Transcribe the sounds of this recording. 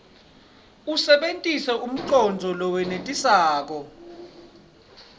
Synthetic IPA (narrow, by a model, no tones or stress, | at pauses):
usɛɓentʼisɛʔum̩ǀɔnd͡zʱɔlɔwɛnetʼisaːk̬ɔ